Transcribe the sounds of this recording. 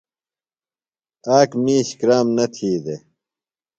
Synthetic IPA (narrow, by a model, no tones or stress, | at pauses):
aːkmiːɕkɾaːmnɐt̪ʰiːd̪e